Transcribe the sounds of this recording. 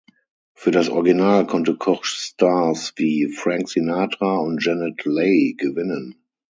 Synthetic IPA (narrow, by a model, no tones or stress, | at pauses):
fyːɐɾasʔɔ̰ɐɡinaːlkʰɔntəkʰɔʃstasviːfʁãŋksenaːtʁaʊ̃nt̚d͡ʒɛnɛtleɪɡəvɪnə̃n